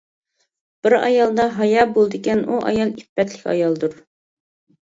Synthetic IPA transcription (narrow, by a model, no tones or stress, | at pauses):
b̥ɪɾɑ̰jɑlˠd̪ɑɦɑjɑbolˠd̪ɪkʲɛnʔuʔɑ̰jɑlˠipːɛt̪ʰlɪkʲɑ̰jɑlˠd̪uɾ